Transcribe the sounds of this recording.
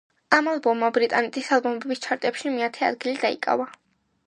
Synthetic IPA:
amalˠbɔmːabɾit̪ʼanɛt̪ʼisalˠbɔmɛbist͡ʃʰaɾt̪ʼɛpʃimiat̪ʰɛa̰d̪̚ɡilid̪aḭkʼa̰va

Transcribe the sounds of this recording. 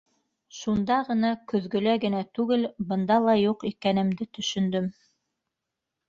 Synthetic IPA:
ʃund̪ɑʁɤ̆nɑkɵ̆ðɡɵ̆læɡɘ̆næt̪ʉɡɘlbɤ̆nd̪ɑlˠɑjuqikænɘ̆md̪ɘt̪ɵ̆ʃɵ̆nd̪ɵm

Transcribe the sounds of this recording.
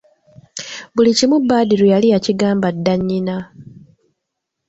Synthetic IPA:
βulicimubːaːdiɾujalijaciɡaːmbadːaɲːina

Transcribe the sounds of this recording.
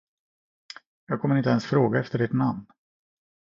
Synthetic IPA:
jɑːɡ̚kʰɔməɾɪnt̪əɛnsfɾoːɡaɛft̪əɖɪʈ̪namn

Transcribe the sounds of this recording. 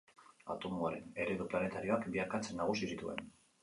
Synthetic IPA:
a̰t̪o̞muaɾe̞ne̞ɾe̞ðuplane̞t̪aɾio̞akbiaɾkat͡se̞nːaɣ̞usisit̪ue̞̰n

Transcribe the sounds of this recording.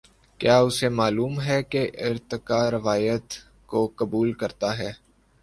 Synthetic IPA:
kjaːʊsemaːluːmɦɛkeʔɪɾt̪ɪkaːɾɪʋaːjət̪ | kokɐbuːlkɐɾt̪aɦɛː

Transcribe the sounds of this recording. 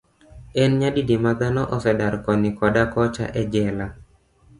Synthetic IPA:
ɛnɲadidimad̪anɔʔɔsɛdaɾkɔnikɔdakɔt͡ʃa̰ʔɛd͡ʒɛla

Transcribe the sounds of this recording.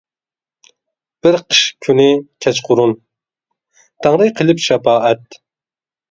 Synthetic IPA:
b̥ɪɾqʰə̥ʃkʲʰynɪkʲʰɛt͡ʃqʰʊɾun | t̪ʰɑŋɾɨjqʰəlˠɪpʃɛpɑːɛt̪̚

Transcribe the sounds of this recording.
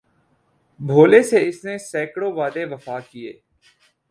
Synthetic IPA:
bʱoːleseɪsnesɛːkɽoʋaːd̪eʋɐfaːkiḛː

